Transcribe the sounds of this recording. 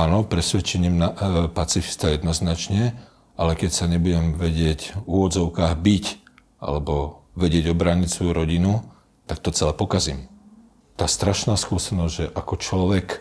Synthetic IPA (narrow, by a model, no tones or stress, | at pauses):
aːnɔpɾɛsʋɛt͡ʃɛɲimnapat͡sifi̥st̪ajɛd̪nɔznat͡ʃɲɛ | ʔalɛkɛcsaɲɛbuɟɛmʋɛɟɪɛcuʋɔd͡zɔʊkaːɣbic | ʔa̰lɛbɔʋɛɟɪɛɟɔbɾaːɲicsʋɔjuɾɔɟinu | t̪ak̚t̪ɔt͡sɛlɛpɔkazim | t̪aːst̪ɾaʃnaːskuɔsɛnɔzʲʒɛʔakɔt͡ʃlɔʋɛk